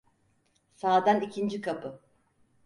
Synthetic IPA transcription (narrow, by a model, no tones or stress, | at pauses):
saːd̪anicʰind͡ʒikʰapʰɯ